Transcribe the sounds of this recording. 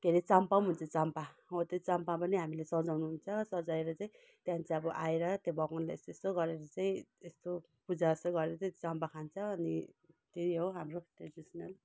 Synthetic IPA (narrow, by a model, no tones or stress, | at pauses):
keɾit͡sampaw̃ɦunt͡sʰʌt͡sampaɦot̪ot͡sampapʌniɦamilesʌd͡zawnuɦunt͡sʰʌsʌd͡zaeɾʌt͡saĩ | t̪jɦãnt͡saʌbʌʔaeɾʌt̪jebʌkonlaḛst̪oest̪oɡʌɾeɾʌt͡saĩest̪o | pud͡zasoɡʌɾeɾʌt͡st͡sampakʰant͡sʰʌːnit̪eiɦoɦamroʈredisʌnʌl